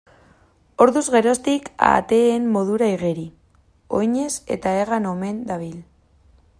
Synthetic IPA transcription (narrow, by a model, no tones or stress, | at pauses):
o̞ɾðuzɣe̞ɾo̞st̪ika̰t̪eːmːo̞ðuɾaiɣeɾi | o̞̰jɲe̞se̞̰t̪aeɣano̞me̞nd̪aβil